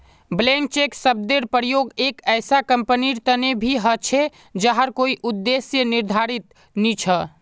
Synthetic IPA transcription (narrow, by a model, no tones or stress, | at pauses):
blẽŋk̚t͡ʃeksəb̚d̪eɾpəɾjoɡekəjsakəmpəniɾt̪ənebʱiɦət͡ʃʰe | d͡ʒaɦəɾkoiʔud̪ːesjəniɾd̪ʱaɾit̪ | nit͡ʃʰə